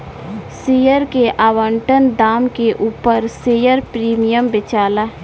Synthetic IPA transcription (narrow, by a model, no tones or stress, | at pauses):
siːjəɾkeʔaːʋə̃ɳʈənd̪aːmkeʔuːpəɾseːjəɾpɾiːmijəmbɪt͡ʃaːla